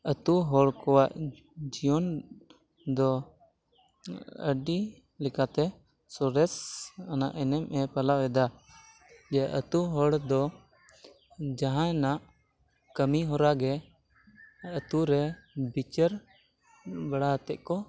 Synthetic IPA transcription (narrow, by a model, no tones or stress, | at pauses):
ət̪uɦɔɽkɔwaʔ | d͡ʒijɔn | d̪ɔ | ə̰ɖi | lɛkat̪ɛ | sɔɾɛsana̰ʔɛnɛmɛpalawɛd̪a | d͡ʒɛʔət̪uɦɔɽd̪ɔ | d͡ʒãɦãnaʔ | kəmiɦɔɾaɡɛ | ət̪uɾɛbit͡ʃəɾ | baɽaɦət̪ɛʔ̚kɔ